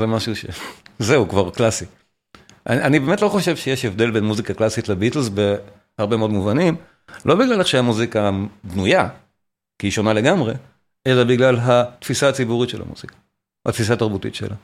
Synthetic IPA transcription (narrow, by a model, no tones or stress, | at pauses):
zemaʃuʃḛzeukvaʁklasi | ʔa̰anibe̞ːme̞tlo̞χo̞ʃe̞vʃejeʃevd̪e̞lbe̞nmuzikaklasitlebitl̩zbe̞ | haʁbe̞meodmuvanim | lʔo̞biɡlaleχʃeamuzikadnuja | kiiʃo̞nale̞ɡamʁe̞ | ʔe̞labiɡlalɦat̪fisaːt͡sibuʁitʃela̰mṵz̥ikḁ | ha̰t̪fisaːt̪aʁbutḭtʃḛla